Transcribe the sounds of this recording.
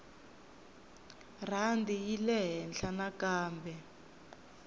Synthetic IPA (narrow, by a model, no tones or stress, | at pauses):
r̤andijilɛɦɛnɬʰanakaːmbʱɛ